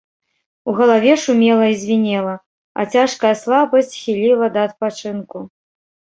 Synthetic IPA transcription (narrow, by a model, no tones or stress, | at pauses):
uɣɐlˠavʲɛʂumʲɛlˠɐizʲvʲinʲɛlˠɐ | ɐ̰t͡sʲaʂkɐjɐslˠabɐsʲt͡sʲxʲilʲilˠɐd̪ɐːt̪̚pat͡ʂɨnku